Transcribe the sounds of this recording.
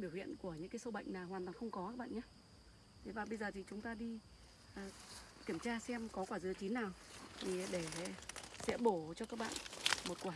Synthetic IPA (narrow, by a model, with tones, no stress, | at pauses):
ɓi˧˩əwḭ˧˨ənku˧˩əɲɨ̰˧˥ŋkaː˨˦jso˧ɓa̰˧˨jŋ̟naː˨˩whwaː˨˩nt̪waː˨˩ŋxə˧wŋ͡mkɔ˨˦kaː˦k̚ɓa̰ː˧˨ɲaː˧˦ | t̪ʰe˨˦vaː˨˩ɓə˧jzəː˨˩t̪ʰi˨˩t͡ɕʊ˨˦ŋ͡mt̪aː˧ɗi˧ | ʔə˨˩ki˧˩əmt͡ɕaː˧sɛ˧mkɔ˨˦kwaː˧˩zɨ˨˦ət͡ɕi˨˦nːaː˨˩wt̪ʰi˨˩ɗe˧˩ | sɛ̰˧˥ɓo˧˩t͡ɕɔ˧kaː˦˥k̚ɓa̰ː˧˨nmo˨˩t̚kwaː˧˩